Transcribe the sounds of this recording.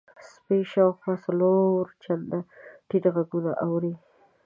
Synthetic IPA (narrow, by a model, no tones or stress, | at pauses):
speʃawxwasaloɾt͡ʃand̪aʈiʈɣaɡunaʔawɾi